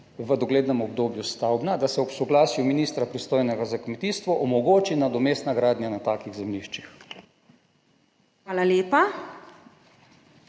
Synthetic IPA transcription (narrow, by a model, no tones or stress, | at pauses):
ʋəd̪ɔɡleːd̪nɛmɔb̚d̪oːbjust̪awbnad̪asɛɔpsɔɡlaːsjuminiːst̪ɾapɾist̪oːjnɛɡazakmɛt̪iːst̪ʋɔʔɔmɔɡoːt͡ʃinad̪ɔmeːst̪naɡɾaːd̪njanat̪aːkiɣzɛmliʃt͡ʃix | xʋaːlaljeːpa